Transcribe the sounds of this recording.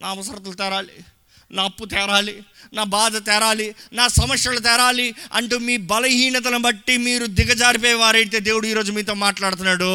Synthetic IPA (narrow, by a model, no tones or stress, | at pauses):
nʔaːɐʋɐsɐɾɐt̪ɐlut̪ɛːɾaːlḭ | naːɐpːut̪ɛːɾaːlinaːbaːd̪ɐt̪ɛːɾaːlinaːsɐmɐksʂjɐlut̪ɛːɾaːliɐ̰ɳʈumiːbɐlɐɦiːɳɐt̪̬ɐnɐbɐʈːimiːɾud̪iɡɐd͡ʒaːɾip̬ɛːjʋaːɾɐjit̪̬eːd̪e̞ːwuɽuiːɾo̞ːd͡ʒumiːt̪o̞ːmaːʈlaːɽut̪unːaːɽu